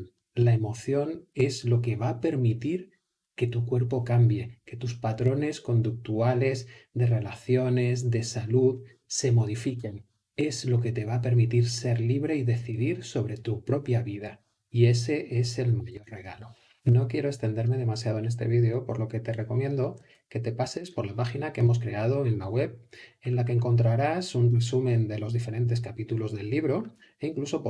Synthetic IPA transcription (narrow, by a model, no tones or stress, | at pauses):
lae̞mo̞θjo̞ne̞zlo̞ke̞β̞ape̞ɾmit̪iɾ | ke̞t̪ukwe̞ɾpo̞kambje̞ke̞t̪uspat̪ɾo̞ne̞sko̞nd̪uk̚t̪uale̞zd̪e̞re̞laθjo̞ne̞zd̪e̞saluð | se̞mo̞ð̞ifike̞n | e̞zlo̞ke̞t̪e̞β̞ape̞ɾmit̪iɾse̞ɾliβɾe̞iðe̞θið̞iɾso̞β̞ɾe̞t̪upɾo̞pjaβið̞a | ie̞se̞ʔe̞se̞lmaʝo̞rre̞ɣalo̞ | no̞kje̞ɾo̞e̞st̪e̞nd̪eɾme̞ð̞e̞masjað̞o̞e̞nest̪e̞βiðeo̞po̞ɾlo̞ke̞t̪e̞re̞ko̞mje̞nd̪o̞ | ke̞t̪e̞pase̞spo̞ɾlapaxinakeemo̞s̬kɾe̞að̞o̞e̞nlaɣwe̞βe̞nlak̬eːŋko̞nt̪̬ɾaɾasunresumẽ̞nd̪e̞lo̞zðife̞ɾe̞nt̪̬e̞skapit̪ulo̞zðe̞lːiβɾo̞ | eiŋkluso̞p